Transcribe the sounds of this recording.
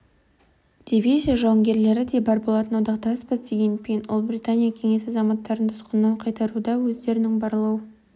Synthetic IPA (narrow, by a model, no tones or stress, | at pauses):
d̪̥ʲivʲizʲijaʒɑwɑŋɡʲe̞ɾle̞ɾɪd̪e̞bɑɾbolˠɑt̪ənwod̪ɑqt̪ɑspəzd̪eɡʲenpʲenwʔʊlˠbɾijt̪anʲijakʲʰe̞ŋe̞sɑzɑmɑt̪ːɑɾənt̪ʰʊ̥sqənːɑɴqʰɑjt̪ɑɾud̪ɑwɵzd̪e̞ɾɪnɪŋbɑɾlˠɑwə